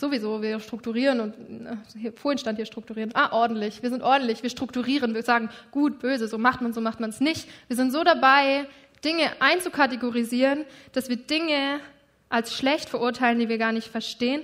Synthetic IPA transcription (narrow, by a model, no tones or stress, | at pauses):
z̥ovizoːviːɐʃtʁ̥ʊk̚tuʁiːʁənʊntnhiːɐfoːɐɪnʃtanthiːɐʃtʁ̥ʊk̚tuʁiːʁənʔaːʔɔɐdn̩tlɪçv̥iɐzɪntʔɔɐdn̩tlɪçv̥iːɐʃtʁ̥ʊk̚tuʁiːʁənviːɐzaːɡŋ̩ɡ̥uːt̚b̥øːzəzoːmaχtmanzoːmaχtmansnɪçtv̥iːzɪntz̥oːɾabaɪ | d̥ɪŋəʔaɪnt͡sukʰateɡoʁiziːʁənd̥asv̥iːɐdɪŋə | ʔalsʃlɛçtfɛɐʔʊɐtʰaɪləndiːviːɐɡaːɐnɪçtfɛɐʃteːən